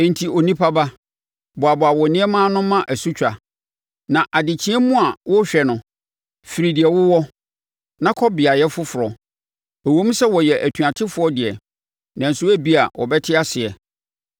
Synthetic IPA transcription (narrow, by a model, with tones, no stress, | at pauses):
ɛ̃˨n̩˨tʰi˨o˨nĩ˦pʰa˦ba˦ | bʊ˨a˨bʊ˨a˨wɔ˨nɪ̃˦ɛ˦mãː˦nʊ̃˦mã˦ʔæ˨su˦t͡ɕᶣa˨ | nã˨ʔa˨dɪ˨t͡ɕʰɪ̃˦ɛ˦mʊ̃˦a˨wʊ˦ɕᶣɛ˨nʊ̃˨ | fi˨ɾi˨dɪ˨ɛ˨wʊ˦wɔ˦ | nã˦kʰɔ˦bɪ˨a˨jɛ˦fʊ˦fʊ˨ɾɔ˨ | æ˨wõ˦m˦sɛ˦wɔ˨jɛ˨ʔæ˨tʰũ˨a˨tʰɪ˦fʊ˨˦ɔ˦dɪ˨ɛ˨ | nã˨n̩˨sʊ˦æ˦bi˦a˨wʔɔ̰˨bɛ˦tʰɪ˦a˦sɪ˨ɛ˨